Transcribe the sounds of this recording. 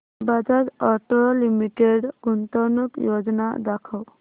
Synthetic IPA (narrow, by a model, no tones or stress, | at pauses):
bad͡ʒatɔʈɔlimiʈeɖɡunt̪ɔnukjod͡ʒɔna̰dakʰɔw